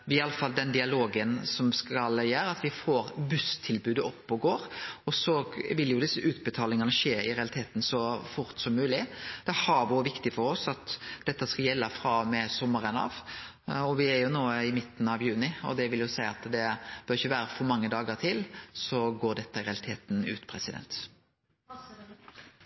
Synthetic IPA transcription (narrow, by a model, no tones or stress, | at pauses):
ʋɪɪɑlːəfɑld̪ɛnd̪ɪɑloːɡənsɔmskɑljæːɾɑt̪ʋɪfoːɾbʉst̪ʰɪlbʉːd̪əɔpːɔɡoːɾɔsɔʋɪljʊd̪ɪsːəʔʉːt̪bɛt̪ʰɑːlɪŋənəɕeːɪɾɛɑlɪt̪ʰeːt̪n̩sɔfʊɾt̪sɔmːʉːlɪd̪̥ɛhɑɾʋʊʋɪkt̪ɪfɔɾɔsɑt̪d̪̥ɛt̪ːəskɑljɛlːəfɾɑːmɛsɔmːəɾənɑ̰ːʋ | ɔʋɪæɾjʊnoːəɪmɪt̪ːn̩ɑʋjʉːnɪɔ̰d̪ɛʋɪljʊsæɪɑt̪d̪ɛb̥œɾɪçəʋæːɾəfɔɾmɑŋːəd̪ɑːɡəɾt̪ʰɪlsɔɡoːd̪ɛt̪ːəɪɾɛɑlɪt̪ʰeːt̪n̩ʉ̰ːt̪pʰɾɛsɪd̪ɛ̰nt̪